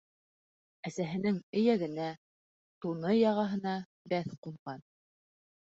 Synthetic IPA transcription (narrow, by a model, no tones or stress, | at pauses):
æsæɦɘ̆nɘŋɘ̆jæɡɘ̆næ | t̪unɤjɑʁɑɦɤ̆nɑ | bæθquɴʁɑn